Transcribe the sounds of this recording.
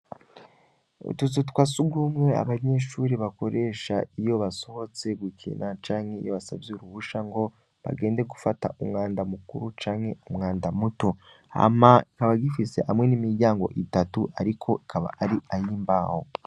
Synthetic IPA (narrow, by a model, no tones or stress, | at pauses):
ṵtut͡sutkwasuɡumŋe̞a̰βaɲe̞ʃuːɾiβako̞ɾe̞ːʃa̰ijo̞βaso̞ho̞t͡se̞ɡwikʰḭnʔat͡ʃaːŋhe̞ḭjo̞βasabjeuɾuβuʃaŋɡo̞ | βa̰ɡe̞ːnde̞ɡufata̰ʔumŋaːndamukṵɾut͡ʃaːŋhe̞umŋaːndamuto̞ | a̰maikaβaɡifise̞ʔamŋe̞nimiɾɟaːŋɡo̞̰ʔitatuʔaɾikʰo̞ʔikʰaβa̰ʔaɾiʔajiːmbaho̞̰